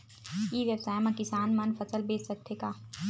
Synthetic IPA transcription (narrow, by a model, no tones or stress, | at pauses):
iːʋjəbsaːjmãkɪsaːnmɐnfɐsəlbeːt͡ʃsɐk̚t̪ʰeːkaː